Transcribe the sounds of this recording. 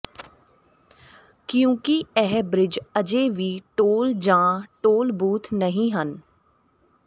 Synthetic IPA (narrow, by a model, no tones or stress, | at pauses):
kjõːkiɛɦbɾɪd͡ʒəd͡ʒeːʋiːʈoːld͡ʒãːʈoːlbuːt̪ʰnəɦĩɦən